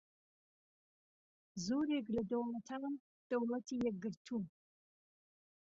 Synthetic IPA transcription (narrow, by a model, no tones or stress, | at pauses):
zoːɾeɡlɐdɐwlɐtʰɐmɐm | d̥ɐwlɐtʰijɛɡɨrtʰu